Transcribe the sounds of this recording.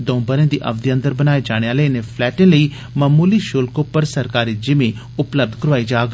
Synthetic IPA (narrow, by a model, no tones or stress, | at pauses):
d̪ɔ̃ːbəɾẽːd̪iːʔə̰bd̪iə̃nd̪əɾbənaːeːd͡ʒaːɽ̃eːaːleːneːpʰlɛːʈẽːləiː | məmuːliːʃʊlkoːpəɾsəɾkaːɾiːd͡ʒɪmẽː | ʊpləb̚d̪kəɾʋaːiːd͡ʒaːɡ